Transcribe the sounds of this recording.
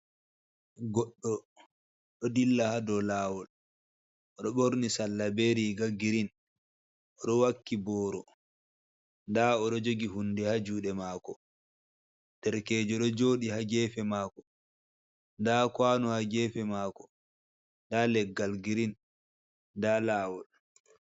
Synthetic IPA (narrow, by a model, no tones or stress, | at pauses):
ɡɔɗːɔ | ɗɔdilːahadɔlaːwɔl | ɔɗɔɓoɾnisalːabeɾiɡaɡiɾin | ʔɔɗɔwakːibɔːɾɔ | ndaɔɗɔd͡ʒoɡiɦundɛhad͡ʒuːɗɛmaːkɔ | tɛɾkɛːd͡ʒɔɗɔd͡ʒoːɗihaɡɛːfɛmaːkɔ | ndakwaːnɔhaɡɛfɛmaːkɔ | ndalɛɡːalɡiɾin | dalaːwɔl